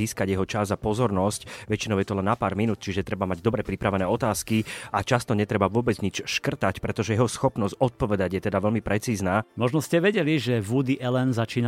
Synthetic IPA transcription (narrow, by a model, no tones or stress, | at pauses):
iːskaɟjɛɦɔt͡ʃazapɔzɔɾnɔscʋɛt͡ʃinɔʊjɛt̪ɔlɛnːapaːɾminuːt̪̚t͡ʃiʒɛt̪ɾɛbamaɟd̪ɔbɾɛpɾipɾaʋɛnɛːɔt̪aːskiat͡ʃast̪ɔɲɛt̪ɾɛbaʋʊɔbɛd͡zɲit͡ʃʃkr̩t̪acpɾɛt̪ɔʒɛjɛɦɔsxɔpnɔsɟɔt̪̚pɔʋɛd̪aɟjɛt̪ɛd̪aʋɛlmipɾɛt͡siːznaːmɔʒnɔscɛʋɛɟɛliʒɛʋud̪iʔɛlɛnzat͡ʃiːna